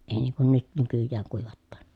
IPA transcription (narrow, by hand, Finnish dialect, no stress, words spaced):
eˑi niːŋ kun nyt nykyjːæːŋ kuiʋɑtːɑːn